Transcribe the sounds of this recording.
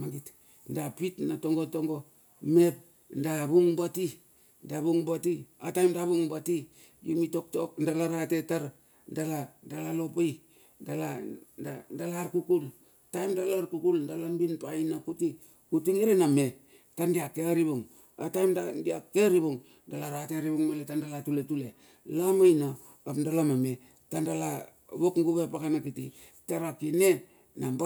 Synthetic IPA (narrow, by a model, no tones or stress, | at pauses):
maŋɡit | ndapitnatoŋɡotoŋɡo̞ | mep̚ | ndabuŋbati | ndabuŋbatiatajmdaβuŋbati | jumitok̚tok̚ndalaɾatetaɾ | ndaladalalo̞paj | ndaladandalaɾkukul | tajmdalaɾkukuldalambinpainakuti | utiŋiɾename̞ | tandiakeaɾibuŋ | a̰tajmdadiakeɾiβuŋ | dalaɾateɾiβuŋmeletandalatuletule | lamajna | apdalamame̞ | tandala | βokŋɡuβeapakanakiti | taɾakine | nab